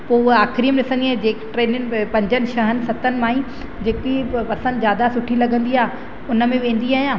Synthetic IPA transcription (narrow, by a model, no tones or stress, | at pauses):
poːaːxɪɾiːəmɗɪsə̃nd̪iaːd͡ʑeːkʈɾeːnənɪ̆pɐ̃ɲd͡ʑənɪ̆ʃɐɦənɪ̆sɐt̪ənɪ̆mãːĩ | d͡ʑeːkipɐsə̃d̪ɪzjaːd̪asʊʈʰilɐɡʱə̃nd̪iaː | ʊnə̆mẽʋẽːn̆d̪iaːɦijãː